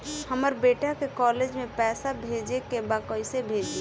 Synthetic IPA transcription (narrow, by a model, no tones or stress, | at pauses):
həməɾbeʈakekɔled͡ʒmepɛsabʱed͡ʒekebakəɪsebʱed͡ʒi